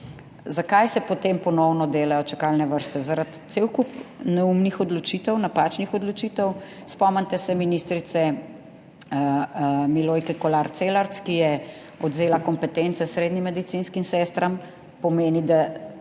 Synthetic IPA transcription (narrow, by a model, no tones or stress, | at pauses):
zakajsɛpɔt̪empɔnɔwnɔd̪eːlajɔt͡ʃakalnɛʋəɾst̪ɛzaɾat̪t̪sewkupnɛumnixɔd̪lɔt͡ʃit̪ɛwnapaːt͡ʃnixɔd̪lɔt͡ʃiːt̪ɛw | spɔmənt̪ɛsɛminist̪ɾit̪sɛ | miloːjkɛkɔlaɾt̪selaɾt̪skijɛ | ɔd̪zeːlakɔmpɛt̪ɛnt̪sɛsɾeːd̪nimːɛd̪it̪sinskimsɛst̪ɾam | pɔmeːnid̪a